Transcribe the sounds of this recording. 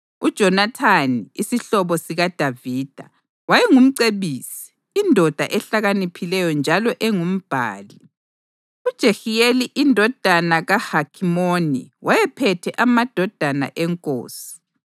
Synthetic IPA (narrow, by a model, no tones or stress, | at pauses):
ud̥ʒ̥ʱɔnatʰaniisiɬɔβɔsiɣad̥ʱaviːd̥ʱa̰ | wajɛŋum̩ǀeβiːsi̥ː | ndʱɔd̥ʱa̰ʔɛɬaɣanipʰilɛjɔnd͡ʒʱalɔʔɛŋum̩b̥ʱa̰ːli | ud̥ʒ̥ʱexijeliʔindʱɔd̥ʱanaɣahakʰimonḭwʔajɛpʰɛtʰɛʔamad̥ʱɔd̥ʱana̰ʔɛŋkʼo̰ːsi̥